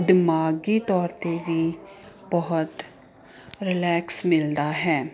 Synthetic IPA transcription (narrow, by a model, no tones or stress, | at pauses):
d̪ɪmaːɡiːt̪ɔːɾt̪eʋiː | bəɦʊt̪ | ɾɪlɛːksmɪld̪aːɦɛː